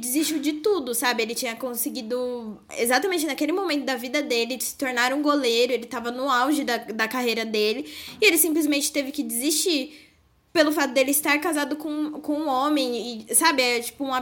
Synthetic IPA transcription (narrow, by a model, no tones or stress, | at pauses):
d͡ʒɪzist͡ʃud͡ʒɪt̪ud̪ʊsabɪelɪt͡ʃĩɲɐkõsɪɡid̪ʊ | ḛzat̪ɐmẽnt͡ʃɪnakelɪmõmẽnt̪ʊd̪ɐvid̪ɐd̪elɪsɪ̥t̪oɾnaɾũɡolejɾʊelɪt̪avɐnʊawʒɪd̪ɐd̪ɐkaɦejɾɐd̪elɪɪelɪsĩplɪzmẽnt͡ʃɪ̥t̪evɪkɪd͡ʒɪzist͡ʃiɾ | pelʊfat̪ʊd̪elɪist̪aɾkazad̪ʊkõkõũõmẽj̃ɪsabɪɛt͡ʃi̥pʊũa